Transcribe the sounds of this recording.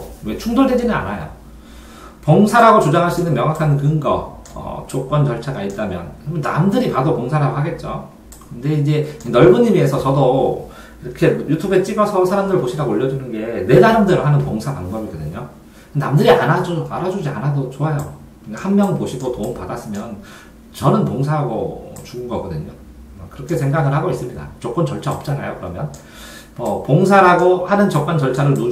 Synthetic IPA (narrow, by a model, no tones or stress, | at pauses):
we̞t͡ɕʰuŋdoɭdwe̞d͡ʑinɯna̰najo̰ | pʌŋsʰaɾaɡot͡ɕod͡ʑaŋɦaɕʰinːɯnmjʌŋakʰankɯŋɡʌ | ʌ̰t͡ɕ͈ok͈ʌnt͡ɕʌɭt͡ɕʰaɡait̚t͈amjʌ̰nmʌnna̰mdɯɾipadopoŋsʰaɾaɡohaɡe̞t̚t͡ɕ͈o̰ | kkɯnde̞id͡ʑe̞nʌɭbuɲːimiesʰʌt͡ɕʌdo | iɾʌkʰe̞jutʰube̞t͡ɕ͈iɡʌsʰʌsʰaɾamdɯɾɯɭpoɕʰiɾaɡooʎːʌd͡ʑunɯnɡe̞ne̞saɾamdɯɾhanɯnpoŋsʰapaŋbʌbiɡʌdɯɲo | namdɯɾianad͡ʑoaɾad͡ʑud͡ʑia̰nadot͡ɕoajo̰ | kahanmjʌŋɯnpoɕʰiɡotoumpadas͈ɯmjʌn | t͡ɕʌnɯnpoŋsʰaɦaɡo̰t͡ɕuɡɯnɡʌɡʌdɯɲo | kɯɾʌkʰe̞sʰe̞ŋɡaɡɯɭhaɡois͈ɯmɲida̰t͡ɕ͈ok͈ʌmt͡ɕʌɭt͡ɕʰaʌp̚t͡ɕ͈ana̰jo̰kɯɾʌmjʌn | mʌpoŋs̬ʰaɾaɡohanɯnt͡ɕʌk̚k͈ant͡ɕʌɭt͡ɕʰaɾɯɭnu